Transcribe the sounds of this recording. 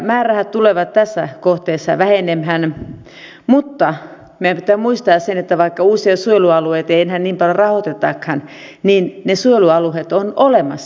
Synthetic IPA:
mæːræhætt̪uleʋɑt̪t̪æsːæ̰koht̪eːsːɑ̰ʋæhenemhæn | mut̪ːɑ | miæpit̪ːˑæːmuist̪ɑːssenet̪ːæʋɑikːɑuːsiɑt̪sueluɑlueit̪eienhænniːmpɑljorɑhot̪et̪ːɑ̰khɑnniːnnesueluɑluhet̪onolemɑ̰sː

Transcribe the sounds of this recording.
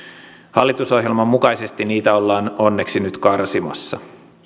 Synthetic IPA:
hɑlːit̪uso̞ɦjelmɑmːukɑjse̞st̪iniːt̪æo̞lːɑːno̞nːe̞ksinyt̪kɑrsimɑ̰sːɑ̰

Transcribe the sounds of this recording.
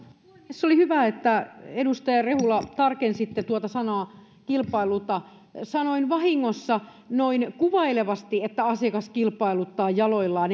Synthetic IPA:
esːolihyʋæet̪ːæedust̪ɑjɑrehulːˑɑt̪ɑrkensit̪ːet̪uot̪ɑsɑnɑː | kilpɑilut̪ɑ | sɑnoinʋɑhiŋːosːɑ | noinkuʋɑileʋɑst̪iet̪ːæɑsiɑkɑskilpɑilut̪ːɑːjjɑloilːɑːn

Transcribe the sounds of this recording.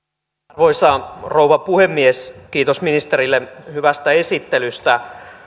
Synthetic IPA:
rʋoisɑrouʋɑpuhemːieskiːt̪osminist̪erilːehyʋæst̪æesit̪ːelyst̪æ

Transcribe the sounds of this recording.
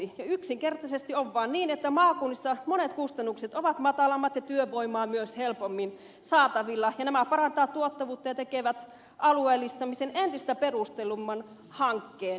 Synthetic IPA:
ijɑyksiŋkert̪ɑsest̪ioʋʋɑːnniːnet̪ːæmɑːkuːnːisːɑmonet̪kust̪ɑnːukset̪oʋɑt̪mɑt̪ɑlɑmːɑt̪jɑt̪yøʋoimˑɑːmyøshelpomːin | sɑːt̪ɑʋilːɑjɑnæmæpɑɾɑnt̪ɑːt̪t̪uot̪ːɑʋuːt̪ːɑjɑt̪ekeʋæt̪ | ʔɑlueːlːist̪ɑmisenʔent̪ist̪æperust̪elumːɑn | hɑŋkːeːn

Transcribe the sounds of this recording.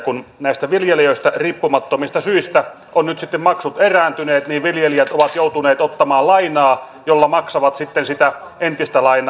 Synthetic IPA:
kunnæˑist̪æʋiljelijøist̪æriːpːumɑt̪ːomist̪ɑsyist̪æ | ʔonnyt̪sit̪ːemmɑksut̪eræːnt̪yneːt̪niːʋʋiljelijæt̪oʋɑt̪jout̪uneːt̪ot̪ːɑmɑːlɑinɑː | jolːɑmɑksɑʋɑt̪sit̪ːensit̪æ | ent̪ist̪ælɑinɑ

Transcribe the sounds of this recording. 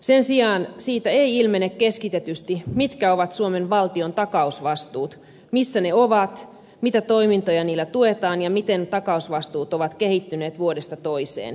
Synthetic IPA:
sensiɑːnsiːt̪æeiilmenːekkeskit̪et̪yst̪imit̪kæoʋɑt̪suomenʋɑlt̪iont̪ɑkɑusʋɑst̪uːt̪ | misːæneoʋɑt̪ | mit̪æt̪oimint̪ojɑniːlːæt̪uet̪ɑːnjɑmit̪ent̪ɑkɑusʋɑst̪uːt̪oʋɑt̪kehit̪ːyneːt̪ʋuodest̪ɑt̪oisḛːn

